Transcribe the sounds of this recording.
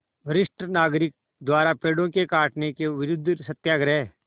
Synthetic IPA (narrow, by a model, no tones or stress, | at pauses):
bəɾɪʃʈənaːɡɾɪk̚ | d̪waːɾapeːɽõkekaːʈnekeʋɪɾʊd̪ʱːsət̪jaːɡɾɛː